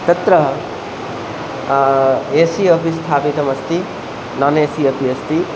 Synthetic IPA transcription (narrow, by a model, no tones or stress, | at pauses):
t̪ɐt̪ɾɐɦ | eːsiɐpist̪ʰaːpit̪ɐmɐst̪i | nɐneːsiɐpiɐst̪i